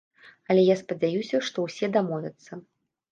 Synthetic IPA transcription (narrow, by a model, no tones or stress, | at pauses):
ɐlʲɛjaspɐd͡zʲajusʲɐʂt̪ɔwsʲɛd̪amɔvʲɐt̪sːɐ